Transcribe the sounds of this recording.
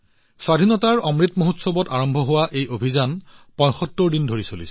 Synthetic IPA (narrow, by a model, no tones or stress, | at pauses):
swadʱinɔtaɹɔmɹitmoɦutsɔbɔtaɹɔmbʱɔɦʊwaʔejobʱizanpɔ̃j̃xɔtːɔɹdindʱoɹisolisɛ̥